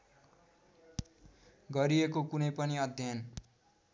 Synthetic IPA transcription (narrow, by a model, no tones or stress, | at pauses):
ɡʌɾiekokunʌjpʌniʌd̪ʱjʌn